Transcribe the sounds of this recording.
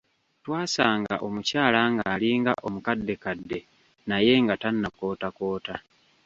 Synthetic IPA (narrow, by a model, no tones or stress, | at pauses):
twaːsaːŋɡa̰ʔo̞mucaːlaŋɡaːliːŋɡa̰ʔo̞mukadːe̞kadːe̞ | naje̞ŋɡatanːako̞ːtako̞ːta